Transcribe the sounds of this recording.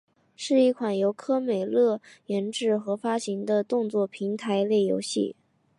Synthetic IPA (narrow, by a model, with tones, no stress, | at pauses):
ʂɻ̩˥˧i˥˩kʰwa˨˩njo˧˥ʊkʰɤ˥me˨˩ɪlɤ˥˩jɛ˧˥nʈ͡ʂɻ̩˥˩xɤ˧˥fa˥ɕi˧˥ŋd̪ə˧t̪ʊ˥˧ŋt͡swɔ˥˩pʰi˧˥ŋt̪ʰa˧˥ɪle˥˩ɪjo̰˧˥ʊɕḭ˥˩